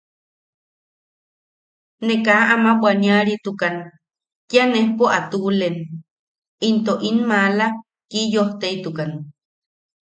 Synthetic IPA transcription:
nekaʔamawwanjaɾit̪ukan | k̪janehpoʔat̪ulen | int̪oʔinmala | kijoht̪eit̪ukan

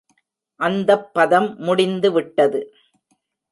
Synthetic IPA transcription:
ʔɐnd̪ɐpːɐðɐmːʊɽɪnd̪ɯʋɪʈːɐðɯ

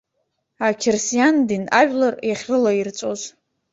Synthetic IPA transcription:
akʲʰɪrsijandinaʒᶣlarjaχʲrɨlairt͡sʷʼoz

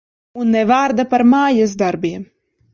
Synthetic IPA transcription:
unːɛvaːɾd̪apaɾmaːjas̬d̪aɾbiɛm

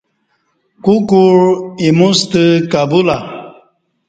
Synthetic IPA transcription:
kukuɾimust̪ɨkabula

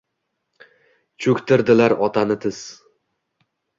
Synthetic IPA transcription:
t͡ʃʰɵkʲt̪ʰɪɾd̪ɪlaɾɒt̪ʰanɪt̪ʰɪz̥

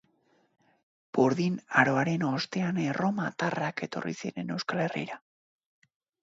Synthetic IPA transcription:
b̥uɾðinaɾo̞aɾe̞no̞st̪e̞anero̞mat̪arake̞t̪o̞̰rḭsie̞̰ɾe̞ne̞wskale̞rḭɾa

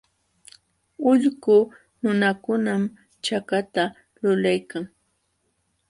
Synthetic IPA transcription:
ʊʎɢʊ | nʊnakʊnam | t͡ʃakat̪a | lʊlajkaŋ

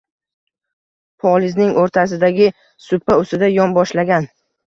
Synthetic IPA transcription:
pʰɒlɪznɪŋʔoɾt̪ʰasɪd̪aɡʲɪ | sʊpːaʊsɪd̪ajɒnbɒʃlaɡʲan

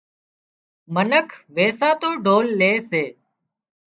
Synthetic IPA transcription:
mənəkʰʋeːsaːt̪oːɖʱoːlːeːseː

